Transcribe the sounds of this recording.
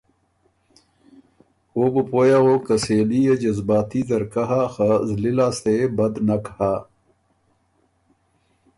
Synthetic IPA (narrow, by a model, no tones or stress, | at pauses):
oːbəpoːjaoːkəseːlijed͡ʑɐzbaːt̪izɐɾkɐɦaxazlilaːsebɐd̪nɐkha